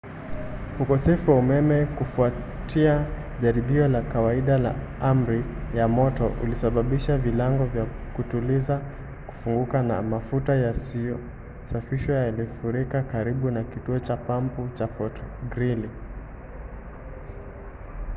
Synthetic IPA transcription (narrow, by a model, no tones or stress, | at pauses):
ukɔsɛfuwaumɛmɛkufua | tʰia | ʄaɾiɓiɔlakawaiɗala̰ | am̩ɾijamɔtɔʔṵlisaɓaɓiʃavilaŋɡɔvjakutuliza | ku̥fuŋɡukana̰mafutaja | safiʃɔjalifuɾikakaɾiɓunakituɔt͡ʃapamput͡ʃafɔtɡɾili